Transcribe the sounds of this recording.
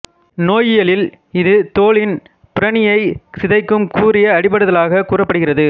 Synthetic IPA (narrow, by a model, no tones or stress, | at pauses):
noːjɪjɐlɪl | ɪðɯt̪oːɭɪn | pɪɾɐɳɪjɐɪsɪðɐɪkːɯmkuːrɪjɐːɽɪp̬ɐɽɯðɐlaːɣɐkuːrɐpːɐɽɯɣɪrɐðɯ